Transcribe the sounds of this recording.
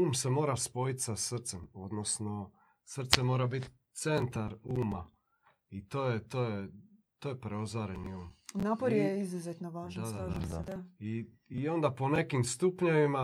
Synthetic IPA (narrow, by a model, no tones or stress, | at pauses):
uːmse̞mo̞ːɾaspo̞jit̪sasr̩t̪se̞mo̞d̪no̞sno̞ | sr̩t̪semo̞ːɾabit̪ | t̪se̞nt̪aɾuːma̰ | it̪oːjet̪oːjet̪oːjepɾeozaɾeniuːmnaːpoɾjeizuzet̪noʋaːʒd̪ad̪ad̪aai | io̞nd̪apo̞ne̞kimst̪upɲoʋima